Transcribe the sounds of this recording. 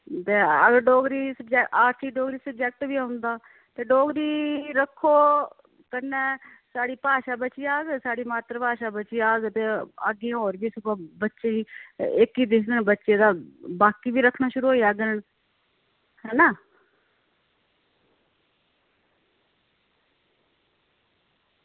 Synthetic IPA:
t̪eːəɡəɾɖɔːɡɾiːsəbd͡ʒɛkaːɾʈʰiːɖoːɡɾiːsəb̚d͡ʒɛːk̚ʈʋiːaʊnd̪aː | t̪eːɖɔːɡɾiːɾəkʰːoː | kənːeː | saːɽiːpaːʃaːbət͡ʃiːaːɡsaːɽiːmaːt̪ɾəpaːʃaːbət͡ʃiːaːɡt̪eːaɡiãːɦoːɾbiːsʊpãːbətːʃeiːɪkiːd̪ɪkʰd̪əɳbətːʃeːd̪aːbaːkiːʋiːɾəkʰːnaːʃʊɾuːɦoːiːaːɡənən | hɛːnaː

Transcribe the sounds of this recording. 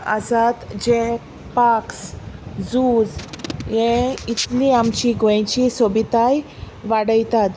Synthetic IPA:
ə̰sat̪d͡ʑe | paksd͡zud͡zjeit̪lĩamt͡ɕiɡõt͡ɕisobit̪aj | ʋaɽəjt̪at̪

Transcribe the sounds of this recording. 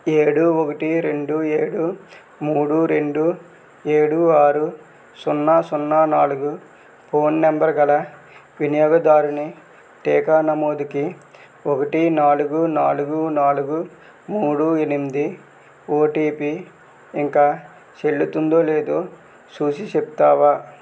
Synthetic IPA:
eːɽuokɐʈiɾe̞ɳɖueːɽu | muːɽuɾe̞ɳɖu | eːɽuaːɾu | sunːaːsunːaːnaːluɡu | pʰo̞ːnːembɐɾɡɐlɐ | ʋinijɔːɡɐd̪aːɾuni | ʈɛːkaːnɐmo̞ːd̪iki | ɔkɐʈinaːluɡunaːluɡunaːluɡu | muːɽuenimid̪i | oːʈiːpiː | ŋkaː | t͡ʃe̞ɭːut̪und̪o̞ːle̞ːd̪oː | suːsit͡ʃepu̥t̪aːʋaː

